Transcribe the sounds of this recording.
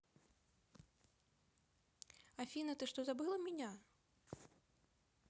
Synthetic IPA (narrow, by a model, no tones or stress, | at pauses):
afʲinɐt̪ɨʂt̪ɔzabɨlˠɐmʲinʲa